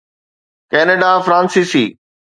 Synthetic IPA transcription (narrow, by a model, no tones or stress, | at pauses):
kɛːnəɖafɾãːnsisiː